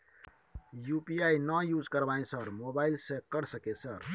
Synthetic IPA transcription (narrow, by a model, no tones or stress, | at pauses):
jupiainəjud͡ʒkəɾbaĩsəɾmobailsekəɾsəkesəɾ